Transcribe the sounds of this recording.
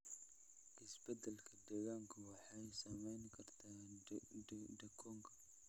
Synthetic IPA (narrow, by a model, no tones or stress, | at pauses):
ʔɪsbɛd̪ɛlkʰɐd̪ɛːɣaːŋkʰɐwɑħɑjsɐmɛjnkʰɐrt̪ʰaː | d̪ɐkʰɔːŋkʰɐ̥